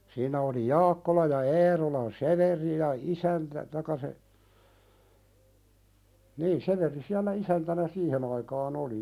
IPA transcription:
siːnæ oli jɑːkːolɑ jɑ eːrolɑn seʋeri jɑ isæntæ tɑĭkːɑ se niː seʋeˑri siælːæ isæntænæ siːhen ɑikɑːn oli

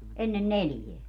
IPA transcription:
enːen neljeæ

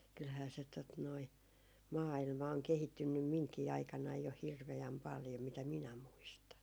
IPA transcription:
kylhæː se tot noi mɑːilmɑ oŋ kehitːynːym miŋkiː ɑikɑnɑij jo hirʋeæm pɑljo mitæ minæ muistɑn

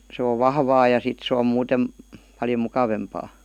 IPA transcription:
sĕ oʋ ʋɑhʋɑː jɑ sit se om muːtem pɑljo mukɑʋempɑː

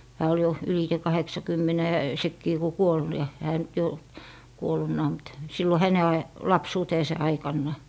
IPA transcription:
hæː ol jo ylite kɑheksɑkymːɛnɛ sekːiː ku kuol jɑ hæː nyt jo kuolˑunːɑː mut silːo hæne ɑj lɑpsuːteːse ɑikɑnːɑ

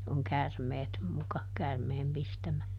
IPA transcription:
oŋ kærmeːt mukɑ kærmeːm pistæmæ

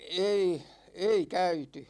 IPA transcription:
ei ei kæyty

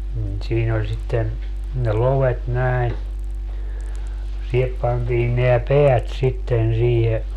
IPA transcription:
nin siːn olʲ sitːen ne loʋet næi̯n sihep pɑntiːn neæ peæt sitːen siːhe

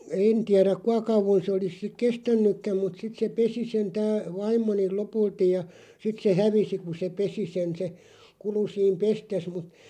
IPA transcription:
eːn tiæræk̆ kuɑ kɑuʋon sĕ olis sik kestænːykːæm mut sit se pesi sen tæː ʋɑimˑonil̆ lopultij jɑ sit se hæʋisi ku se pesi sen se kulu siːm pestes mut

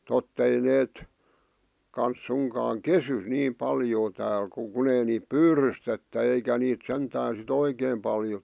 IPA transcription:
totː ei neːt kɑns suŋkɑːŋ kesy niːm pɑljoː tæːl ku kun ei niːp pyːrystetːæ eikæ niːt sentæːn sit oikeːm pɑljo

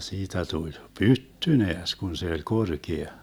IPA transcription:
siːtæ tulʲ pytːy neæs kun se olʲ korkeɑ

